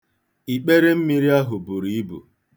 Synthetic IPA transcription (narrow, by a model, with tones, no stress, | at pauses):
i˨k͡pe˦ɾe˦m̩˦mi˦ɾi˦a˦ɦʊ˨bʊ˨ɾi˨˦i˦bṵ˨